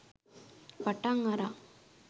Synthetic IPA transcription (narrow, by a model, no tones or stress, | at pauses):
pɐʈːaŋaɾa